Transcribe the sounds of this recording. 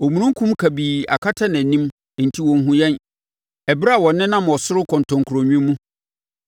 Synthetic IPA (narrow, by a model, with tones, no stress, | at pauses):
o˨mũ˨ɾũ˦ŋ˦kʰũ˦mkʰa˨biː˨a̰˨kʰa˦tʰa˦nã˨nĩ˦m˨ | n̩˨tʰi˦wɔ̃˨n˦ɦũ˦jɛ̃˦n | ɛ˨bɪ˦ɾa˦a˨wɔ̃˨nːɪ̃˦nã˦mɔ˨sʊ˦ɾʊ˦kʰɔ̃˨ntʰɔ̃˨ŋkʰu˨ɾo˨ɲᶣũ˦mũ˦